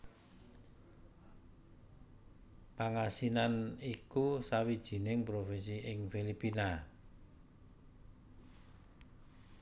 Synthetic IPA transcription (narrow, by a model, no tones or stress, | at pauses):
paŋasinanikusawid̥ʒ̥i̤nɪŋpɾofɪnsiʔɪŋfilipina